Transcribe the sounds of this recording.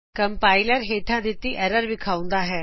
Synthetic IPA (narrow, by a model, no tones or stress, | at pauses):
kəmpaːɪləɾɦeːʈʰãd̪ɪt̪iʔɛːɾəɾʋɪkʰaːũn̆d̪aːɦɛː